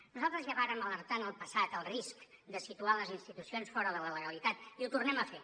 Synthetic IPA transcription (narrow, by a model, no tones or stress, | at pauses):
nuzalˠt̪ɾəzjaβaɾəmələɾt̪anəlˠpəsat̪əlˠriskd̪əsit̪ualəzinst̪it̪usionsfɔɾəðələləɣəlit̪at̪iut̪urnɛməfe